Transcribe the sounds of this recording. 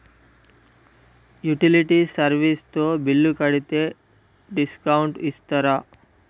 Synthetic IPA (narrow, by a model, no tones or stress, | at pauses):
juʈiliʈisɐɾʋist̪oːbilːukɐɽit̪e | ɖiskɐwuɳʈist̪ɐɾɐ